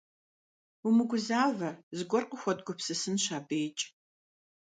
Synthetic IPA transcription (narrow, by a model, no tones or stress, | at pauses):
umɨɡʷʊzaːvɐzɨɡʷɔrqʼəxʷɔdɡʷʊpsɨsɨnɕaːbeːt͡ʃʼ